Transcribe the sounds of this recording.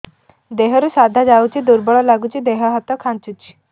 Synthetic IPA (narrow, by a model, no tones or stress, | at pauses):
d̪eɦəɾusad̪ʱad͡zaut͡ɕiːd̪uɾbəɭɔlaɡut͡ɕiːd̪eɦəɦat̪ɔkʰãnt͡sut͡ɕi̥